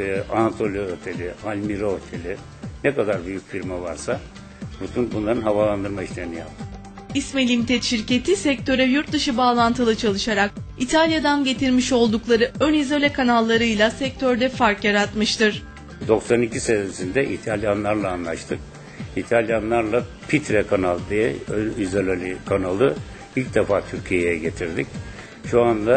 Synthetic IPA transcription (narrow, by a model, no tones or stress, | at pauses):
ʔanat̪ʰo̞lʲˠijoøt̪ʰe̞lʲialʲmiɾoot̪ʰelʲi | nɛkad̪aɾbyjycfiɾmavaɾsa | but̪ʰunbunlˠaɾɯnɦavalˠand̪ɯɾmaiʃlʲe̞ɾinija̰p̚t̪ʰɯm | ismelʲimt̪ʰɛt̪ʃiɾce̞t̪ʰisɛc̚t̪ʰø̞ɾɛjuɾt̪̚d̪ɯʃɯbaːlˠant̪ʰɯlˠɯt͡ʃʰalˠɯʃaɾak̚it̪ʰalʲjad̪anɟe̞t̪ʰiɾmiʃo̞lˠd̪uklˠaɾɯønizolʲɛkʰanalˠːaɾɯjlˠasɛc̚t̪ʰøɾd̪ɛfaɾkjaɾat̪mɯʃt̪ɯɾ̥ | d̪o̞ksanicʰisensind̪ɛʔit̪ʰalʲjanlˠaɾlˠaːnlˠaʃt̪ʰɯk̚ | it̪ʰalʲjanlˠaɾlˠa | pʰit̪ɾɛkʰanalˠd̪ijɛønizolʲalʲikʰanalˠɯ | ilʲc̚d̪ɛfaːt̪ʰyɾcʰijejɛɟe̞t̪ʰiɾd̪ic | ʃuand̪a